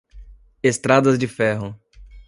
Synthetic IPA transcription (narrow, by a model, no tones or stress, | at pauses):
est̪ɾad̪ɐzd͡ʒɪfɛɦʊ